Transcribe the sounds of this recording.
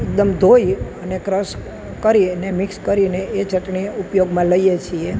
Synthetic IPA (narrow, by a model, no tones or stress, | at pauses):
ek̚d̪əmd̪ʱoiənekɾəʃ | kəɾinemɪkskəɾineet͡ʃəʈɳiupjoɡmãləijet͡ʃʰie